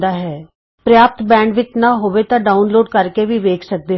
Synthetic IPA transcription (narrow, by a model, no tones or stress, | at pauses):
d̪aːɦɛː | pɾjaːp̚t̪bɛ̃ːɳɖʋɪt͡ʃnaːɦoːʋet̪ãːɖaːʊnloːɖkəɾkeʋiːʋeːkʰsək̚d̪eː